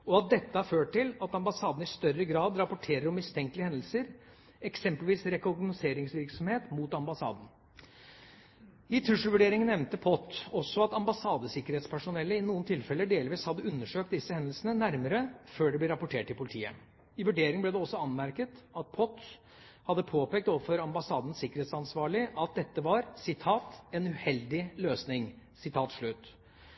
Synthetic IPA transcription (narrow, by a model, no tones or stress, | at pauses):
ɔɑt̪̚d̪ɛt̪ːəɑɾføːʈ̚ʰːɪlɑt̪ɑmbɑsɑːd̪n̩ɪst̪œɾːəɡɾɑːd̪ɾɑpʊʈʰeːɾəɾɔmːɪst̪ʰɛŋklɪəhɛnd̪l̩səɾ | ɛksɛmpəlʋiːsɾɛkʊɾɡnʊseːɾɪŋsʋɪɾksɔmheːt̪mut̪ɑmbɑsɑ̰ːd̪n̩ | ɪt̪ʰɾʉʂl̩ʋʉɖeːɾɪŋənɛʋnt̪əpʰɔt̪ːɔsːɔɑt̪ɑmbɑsɑːd̪əsɪkːəɾheːt̪spʰæʂʊnɛlːəɪnuːnt̪ʰɪlfɛlːəɖeːlʋiːshɑd̪ːəʉnːəʂøːk̚t̪̚d̪ɪsːəhɛnd̪əl̩sənənæɾməɾəføːɖɛblɪɾɑpʊʈʰeːʈʰːɪlpʰʊlɪt̪ʰiːə̰ | ɪʋʉɖeːɾɪŋəblɛd̪ɛɔsːɔɑnmæɾkət̪ɑt̪̚pʰɔt̪ | hɑd̪ːəpʰoːpeːk̚t̪oːʋəfɔɾɑmbɑsɑːd̪ən̩sɪkːəɾheːt̪sɑnsʋɑːɭɪʔɑt̪̚d̪ɛt̪ːəʋɑɾsɪt̪ʰɑːt̪ɛnʉhɛld̪ɪløːsnɪŋ | sɪt̪ʰɑːt̪ʂɭʉt̪ː